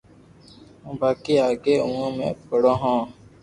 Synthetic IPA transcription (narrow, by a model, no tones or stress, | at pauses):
ũːbaːkiːaːɡeːũːãːmḛ̃ːkəɽõːɦãː